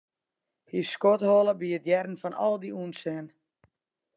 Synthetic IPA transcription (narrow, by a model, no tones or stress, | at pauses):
hiskothoːlˠəbiətjɛrən̩fɔnʔɔ̰lˠdiunsɛn